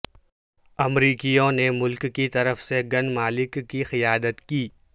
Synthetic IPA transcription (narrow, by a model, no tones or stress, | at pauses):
ɐmɾiːkijõnemʊlkːit̪ɐɾəfseɡɐnmaːlɪkːixɪjaːd̪ət̪kiː